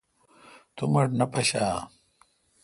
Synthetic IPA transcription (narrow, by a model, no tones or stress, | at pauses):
t̪umɐɽnɐpɐɕaː